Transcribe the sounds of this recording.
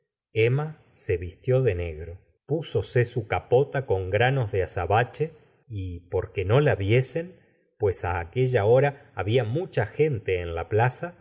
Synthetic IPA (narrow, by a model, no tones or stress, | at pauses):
ema | se̞βist̪jo̞ðe̞ne̞ɣɾo̞ | puso̞se̞sukapo̞t̪ako̞ŋɡɾano̞zðeasaβat͡ʃe̞ | ipo̞ɾke̞no̞laβje̞se̞n | pwe̞saːke̞ʒao̞ɾaːβiamut͡ʃaxe̞nt̪e̞ːnlaplasa